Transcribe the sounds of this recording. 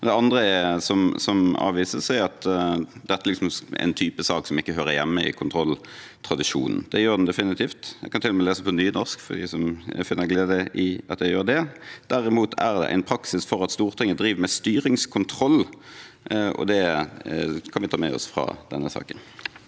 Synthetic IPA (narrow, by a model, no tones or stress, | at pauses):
d̪ɛɑnd̪ʁəɛsɔmsɔmɑ̰ːʋiːsəsæɪɑt̪d̪ɛt̪ːlɪksɔmæ̰ɪnt̪ʰyːpəsɑːksɔmɪkːəɦøːɾəjɛmːəɪ̰kʰʊnt̪ʰɾɔlː | t̪ʰʁɑd̪ɪʂṵːnn̩d̪̥ɛjøːd̪nd̪ɛfɪnɪt̪ʰiːft̪jæ̰kɑnt̪ɪlːɔməleːsəpʰɔnyːnɔʁskfɔd̪æ̰sɔmfɪnːəɾɡleːd̪əʔɪɑ̰t̪jæɪjøːɾd̪ɛd̪̥æɾɪmuːt̪ʰæʁd̪ɛ̰ʔæ̰ɪnpʰɾɑksɪsfɔɾɑt̪st̪uːʁt̪ʰɪŋːəd̪ɾiːʋmɛst̪yːɾɪŋskʰʊnt̪ʰɾɔlː | ɔ̰d̪ɛ | kʰɑnʋɪt̪ʰɑːmɛ̰ɔ̰sfɾɑ̰d̪̥ɛnːəsɑ̰ːkən